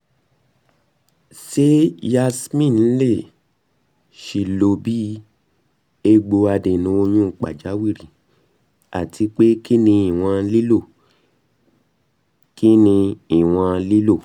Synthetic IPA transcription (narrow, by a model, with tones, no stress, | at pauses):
se˦ja˧smĩ˦˨n̩˦le˦˨ | ʃi˧˨lo˧bi˦ | e˦ɡ͡bo˧a˧de˨nũ˨˦o˧j̃ũ˦˨k͡pa̰˨d͡ʒa˨˦wi˦˨ɾi˨ | a̰˨ti˧˦k͡pe˦ki˦nĩ˧i˨w̃ã˧li˦lo˦˨ | ki˦nĩ˧i˨w̃ã˧li˦lo˦˨